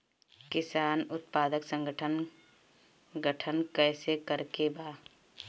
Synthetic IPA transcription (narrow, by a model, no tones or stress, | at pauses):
kɪsaːnʊt̪paːd̪əksə̃ŋɡʱəʈʰən | ɡəʈʰənkɛːsekəɾkebaː